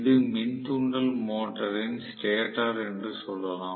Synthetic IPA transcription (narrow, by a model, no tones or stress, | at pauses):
ðɯmɪnt̪uɳɖɐlmoːʈːɐɾɪnsʈeːʈːaːɾɛndrɯsɔlːɐlãː